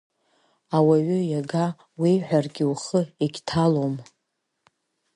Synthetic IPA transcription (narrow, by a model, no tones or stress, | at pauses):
awaɥʏjaɡa | wijħʷᶣarɡʲiuχəiɡʲtʰalom